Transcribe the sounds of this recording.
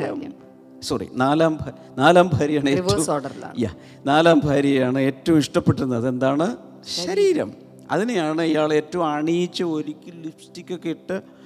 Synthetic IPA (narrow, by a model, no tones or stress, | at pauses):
sorḭnaːlaːmbʱa | naːlaːmbʱaːɾijaːɳɨeːuoːɖɐɾla̰ja | naːlaːmbʱaːɾijjaːɳɨe̞ːtːɐʋumiʂʈɐpːe̞ʈːunːɐðe̞nd̪aːɳɨ | ɕɐɾiːɾɐ̰m | ɐ̰ðinejaːɳɨijaːɭe̞ːtːɐʋumaːɳijit͡ɕːɨo̞ɾikʲːɨlifstikʲːo̞kːeiʈːɨ